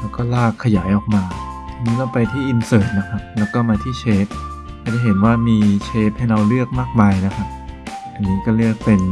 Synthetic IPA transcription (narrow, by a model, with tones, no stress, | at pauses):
lɛ˦˥wkɔː˥˩laː˥˩kʰːa˧jaː˩˦jʔɔː˨˩k̚maː˧ | a˧niː˦˥laː˥˩pa˧jt̪ʰiː˥˩ʔi˧nsɤː˨˩t̪̚na˦˥kʰa˦˥p̚lɛː˦˥wkɔː˥˩maː˧t̪ʰiː˥˩t͡ɕʰeː˦˥p̚ː | a˧˥˩da˧˩jɦe˩˦nwaː˥˩miː˧t͡ɕʰeː˦˥p̚ha˥˩jɾa˧wlɯ˥˩ək̚maː˥˩k̚maː˧jna˦˥kʰa˦˥p̚ʔa˧ŋnːiː˦˥kɔː˥˩lɯ˥˩ək̚pe˧n